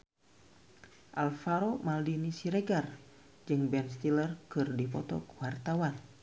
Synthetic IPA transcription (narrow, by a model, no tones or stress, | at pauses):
ʔalfaɾomaldinisiɾeɡar | d͡ʒɨŋbɛnst̪ilərkɨrdipɔt̪ɔ̰kuwart̪awan